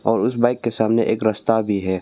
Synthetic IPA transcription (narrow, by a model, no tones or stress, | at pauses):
ɔːɾʊs̬baːɪkːesaːmneʔeːkɾɐst̪abʱiɦɛː